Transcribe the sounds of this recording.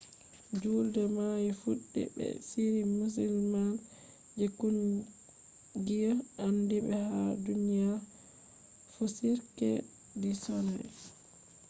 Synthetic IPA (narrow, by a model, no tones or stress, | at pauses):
d͡ʒuldɛmajifuɗːɛ̰bɛ̰siɾimus̬ilman | d͡ʒekun | ɡijaandibɛhadunija | fusiɾkɛ̰ | disɔnɛ̰